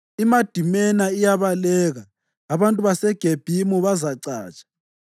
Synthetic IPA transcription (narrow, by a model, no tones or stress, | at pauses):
imad̥ʱimɛnaijaβalɛːɣaː | βantʼuβasɛɡ̥ʱeb̥ʱimuβazaǀa̰ːt͡ʃʼḁ